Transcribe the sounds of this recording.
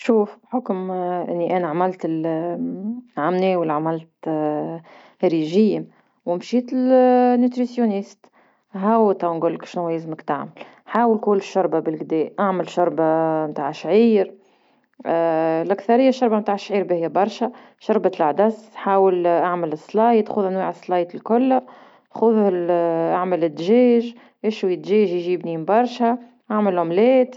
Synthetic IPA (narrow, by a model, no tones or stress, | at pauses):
ʃuːfħʊkmʔɪ̰nːiʔæːnaʕamælt̪ɪl | ʕamneːwɪlːʕamælt̪ | ɾiʒiːm | wɪmʃiːt̪ɪlnːyt̪ɾisjunist̪ | ɦæwt̪awnɡʊlːkʃnuwjɪzməkt̪aʕmɪl | ħaːwəlkuːlɪʃːʊɾˤbabɪlɡd̪ɛːʔaʕmɪlʃʊɾˤbamt̪aːʕʃʕiːɾ | lʔakθɑɾɪjːaʃːʊɾbamt̪aːʕʃʕiːɾbɪhɪjːæbɑɾˤʃa | ʃʊɾˤbat̪laʕd̪ɑsħaːwəlʔaʕmɪlɪsːlɑːjt̪xʊðʔænwiːʕəsːlɑːjt̪ɪlkʊlː | xʊð | ʔaʕməlɪd̪ʒɛːʒ | ʔɪʃwijɪt̪ʒɛːʒjʒiːbnimbɑɾˤʃa | ʔaʕməlʕʊmlɛːt̪